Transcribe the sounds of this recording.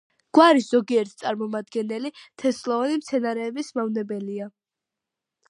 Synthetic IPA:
ɡ̥waɾisz̥ɔɡiɛɾt̪̚ʰt̪sʼaɾmɔmad̪ɡɛnɛlit̪ʰɛslˠɔɔnimt̪sʰɛnaɾɛːbismavnɛbɛlia

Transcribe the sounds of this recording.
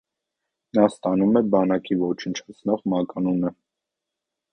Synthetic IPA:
nɑst̪ɑnumɛbɑnɑkivɔt͡ʃʰənt͡ʃʰɑt͡sʰnɔʁmɑkɑnunə

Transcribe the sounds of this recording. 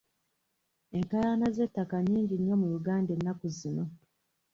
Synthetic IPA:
e̞ŋkajanaze̞tːakaɲːiːɲɟinːo̞mujuɡaːnde̞nːakuzino̞

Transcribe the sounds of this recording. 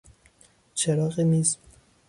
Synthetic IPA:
t͡ʃʰeɾɒːɣimiːz

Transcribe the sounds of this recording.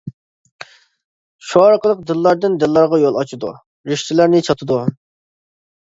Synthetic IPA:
ʃuɑɾqəlˠəq̚d̪ɨlˠːɑɾd̪ɪnd̪ɨlˠːɑɾʁɑjolˠɑt͡ʃid̪ṵ | ɾɪʃt̪ʰɪlæɾnɪt͡ʃʰɑt̪ʰɨd̪u

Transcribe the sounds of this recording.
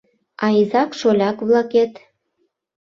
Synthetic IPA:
ɑizɑkʃolʲɑkβlɑket̪

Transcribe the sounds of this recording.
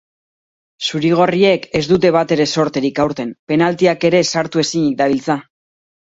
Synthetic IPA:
suɾiɣ̞o̞rie̞ke̞zd̪ut̪̬e̞β̞at̪e̞ɾe̞so̞ɾt̪e̞ɾikawɾt̪e̞mpe̞nalt̪iake̞ɾe̞saɾt̪ue̞siɲik̚d̪aβilt͡sa

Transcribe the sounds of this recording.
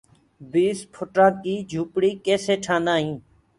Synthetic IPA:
biːspʰʊʈɾãːkiːd͡ʒʱuːpɽiːkeːseːʈʰãːnd̪ãːɦĩː

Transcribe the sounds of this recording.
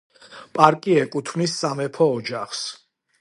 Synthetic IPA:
pʼaɾkʼiɛkʼut̪ʰmnisːamɛpʰɔːd͡ʒaχs

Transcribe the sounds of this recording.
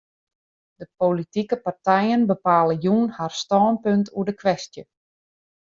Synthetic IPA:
d̥əpolitikəpartɛjənbəpaːləjunharstɔːnpøntʰuədəkʋɛstjə

